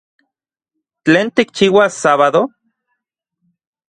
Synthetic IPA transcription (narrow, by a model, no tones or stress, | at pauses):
t͡ɬeːnt̪ikt͡ʃiːwasaβaðo